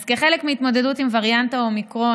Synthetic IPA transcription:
fkeχe̞lekmiit̪mo̞de̞dutimvaʁjantaomikʁo̞

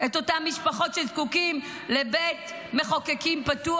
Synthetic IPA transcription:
eto̞tamːiʃpaχo̞tʃezkukim | lebet | me̞χo̞kekimpatu

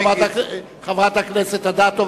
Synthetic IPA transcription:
vat̪a | χavʁat̪aknɛset̪ad̪at̪o

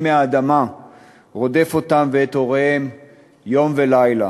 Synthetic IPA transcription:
meaːd̪ama | ʁo̞d̪e̞fo̞t̪amveet̪o̞ʁehe̞m | jo̞mve̞lajla̰

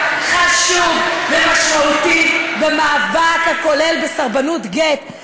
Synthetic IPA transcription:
χaʃuvbemaʃmaut̪ibemaːvakhako̞le̞lbesaʁbanutɡet̪

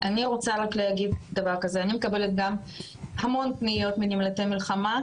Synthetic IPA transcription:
ʔaniʁot͡saʁakleaɡidd̪ɐvaʁkazeanime̞kabe̞let̪ɡam | hamo̞ntnijo̞t̪minimlatemilχama

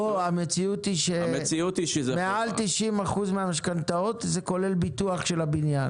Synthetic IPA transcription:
oamet͡siut̪iʃemet͡siut̪iʃezemealt̪iʃimaχuzmeamaʃkant̪ao̞t̪ze̞ko̞le̞lbit̪uaχʃe̞labinjan

